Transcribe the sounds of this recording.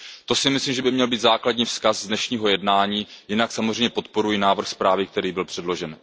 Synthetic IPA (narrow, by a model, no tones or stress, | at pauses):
t̪o̞sɪmɪslimʒɛbɪmɲɛlbiːt̪zaːkladɲiːfskazːdnɛʃɲiːɦo̞jɛdnaːɲiːjɪnaksamozr̝eɛjɲɛpo̞t̪po̞ɾujɪnaːvr̩xspɾaːvɪk̚t̪ɛɾiːbɪlpr̥ɛdlo̞ʒɛn